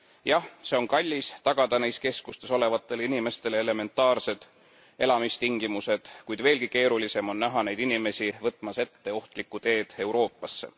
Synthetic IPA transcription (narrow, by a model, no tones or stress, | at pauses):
jɑhse̞o̞nkɑlʲːist̪ɑɡ̥ɑd̪̥ɑnejske̞skust̪e̞so̞le̞vɑt̪ːˑe̞linime̞st̪e̞leele̞me̞nt̪ːˑɑːrse̞d̪̥ | e̞lɑmist̪iŋɡ̥imuse̞d̪̥kujd̪̥ve̞ːlɡike̞ːɾulise̞mo̞nːæɦɑne̞jd̪inime̞sivɤt̪ːˑmɑse̞t̪ːeo̞ht̪likːut̪e̞ːd̪̥e̞uwɾo̞ːpːˑɑsːe̞̰